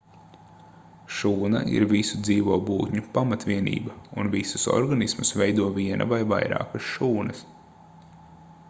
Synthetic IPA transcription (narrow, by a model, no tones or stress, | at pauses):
ʃuːna̰ʔḭɾvisud̪ziːʋuɔːbuːt̪ɲupamat̪ʋʲiɛnḭːbɐunvisusɔ̰ɾɡanismusvɛjd̪uɔviɛnʔɐ̰vajva̰jɾa̰ːkɐsʃuːnɐs